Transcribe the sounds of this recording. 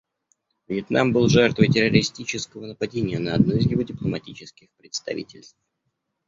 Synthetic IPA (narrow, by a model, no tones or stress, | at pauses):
vjɪt̪nʔambɨlˠʐɛrt̪vəjtʲɪrəɾʲɪsʲtʲit͡ɕɪskəvənəpɐdʲenʲɪjənəɐd̪noɪzjʲɪvo̞dʲɪplˠəmɐtʲit͡ɕɪskʲɪxpɾʲɪt̪st̪ɐ̰vʲḭtʲɪlʲst̪f